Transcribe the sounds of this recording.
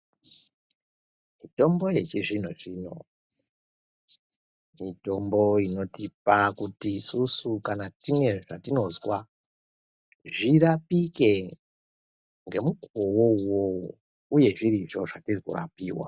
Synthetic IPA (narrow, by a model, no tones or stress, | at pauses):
mito̞mbo̞je̞t͡ʃiʐin̤oʐiːno̞̰ | mito̞mbo̞ino̞tip̚akutiːsusukanatine̞ʐatino̞zwa | ʐiɾapike̞ | ŋɡe̞mukuowo̞uwo | uje̞ʐiɾiʐo̞ʐatirikṵra̰piːwa̰